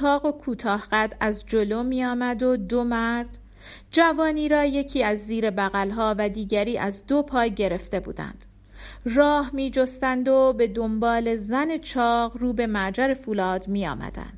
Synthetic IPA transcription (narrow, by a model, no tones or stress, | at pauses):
ɒːɣo̞kʰuːt̪ʰɒːhɢæd̪æzd͡ʒo̞lo̞miːjɒːmæd̪o̞d̪omæɾd̪̥ | d͡ʒævɒːniːɾɒːje̞cʰiːæzːiːɾe̞bæɣælɦɒːvæd̪iːɟæɾiːʔæzd̪opʰɒːjɟe̞ɾe̞ft̪e̞bṵːd̪æ̰nd̪̥ | rɒːhmiːd͡ʒo̞st̪ænd̪o̞be̞d̪o̞mbɒːle̞zæne̞t͡ʃʰɒːɣruːbe̞mæɾd͡ʒæɾe̞fuːlɒːd̪miːjɒ̰ːmæ̰d̪æ̰nd̪̥